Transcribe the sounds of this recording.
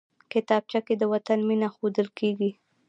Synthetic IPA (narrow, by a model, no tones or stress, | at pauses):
kɪt̪ɑb̚t͡ʃaked̪əwat̪anminaxod̪əlkʰeɡi